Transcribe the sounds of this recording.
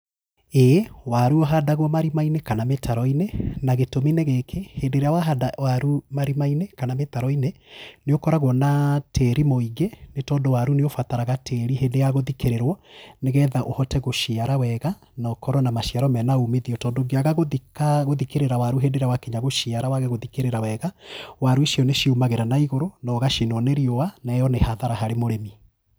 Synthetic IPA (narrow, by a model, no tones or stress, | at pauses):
ewaɾuɔɦadaɣwɔmaɾimainekanametʰaɾɔinenaɣetomineɣekʰeheːndeɾeawaɦadawaɾumaɾimainekanametaɾɔineneokɔɾaɣwɔnatʰeɾimoiɡenetɔndowaɾuneofataɾaɣatʰeɾiɦedejaɣoðikeɾeɾwɔneɣɛːðaʔohɔtɛɣoʃiaɾawɛɣa | nɔkɔɾɔnamaʃiaɾɔmɛnaumeðiɔtɔːndoɡeaɣaɣoðikaɣoðikeɾeɾawaɾuɦendeɾawakiɲaɣoʃiaɾawaɣɛɣoðikeɾeɾawɛɣawaɾueʃiɔneʃiumaɣeɾanaiɣoɾonɔɣaʃinɔneɾiɔwanɛjɔnehaðaɾahaɾemoɾemi